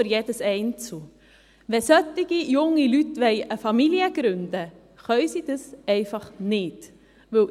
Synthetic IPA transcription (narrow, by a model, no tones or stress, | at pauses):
əɾjɛdəsɛɪnt͡sl | ʋɛsœtɪɡ̥ijʊŋːilytʋɛɪəfɑmiliəɡ̥ɾʏndə | χœʏsid̥əsɛɪfɑχnɪt | ʋɵl